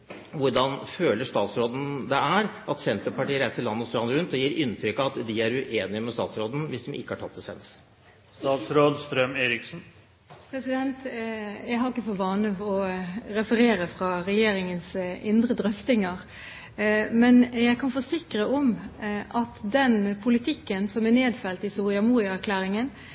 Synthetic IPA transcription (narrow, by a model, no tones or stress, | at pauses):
ʋʊɾɖɑnføːləʂt̪ɑːt̪sɾoːd̪ən̩d̪ɛæɾʔɑt̪sɛnt̪ɾəpɑʈiːəɾæɪsəɭɑnːəɔst̪ɾɑnːəɾʉnt̪ɔjiːɾɪnt̪ʰɾʏkːɑt̪d̪ɪæɾʉʔeːnɪəmɛst̪ɑ̰ːt̪sɾoːd̪n̩ʋɪsd̪ɔmʔɪ̰kːəhɑʈʰɑt̪ːɛsɛ̰ns | st̪ɑːt̪sɾoːd̪st̪ɾœmeːɾɪksn̩ | pʰɾɛsɪd̪ɛnt̪jæɪɦhɑɾɪkːəfɔʋɑːnəʋɔɾɛfəɾeːɾəfɾɑɾɛjeːɾɪŋənsɪnd̪ɾəd̪ɾœft̪ɪŋəɾ | mɛnjæɪkʰɑnfɔsɪkɾəʔɔmʔɑt̪d̪ɛnpʰʊlɪt̪ʰɪkːənsɔmæneːd̪fɛlt̪ɪsuːɾɪɑmuːɾɪəæɾkʰlæːɾɪŋən